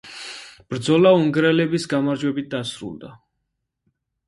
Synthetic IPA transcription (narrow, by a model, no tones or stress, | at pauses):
b̥ɾd̪zɔlauŋɡɾɛlɛbisɡamaɾd͡ʒwɛbit̪̚d̪asɾṵlˠd̪a